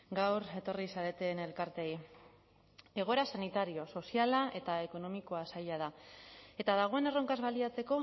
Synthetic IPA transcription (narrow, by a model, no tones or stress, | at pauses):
ɡawɾe̞t̪o̞risaɾe̞t̪e̞ːne̞lkaɾt̪e̞j | e̞ɣ̞o̞e̞ɾasanit̪aɾio̞so̞sialae̞t̪ae̞ko̞no̞miko̞asaʎað̞ae̞t̪aðaɣ̞o̞ene̞ro̞ŋkazβaliat͡se̞ko̞